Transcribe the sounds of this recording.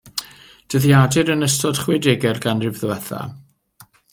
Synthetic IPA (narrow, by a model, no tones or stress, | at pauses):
d̥əðjadɪɾənəstɔd̥χwɪdɪɡɛrɡanrɪvðəɛθa̰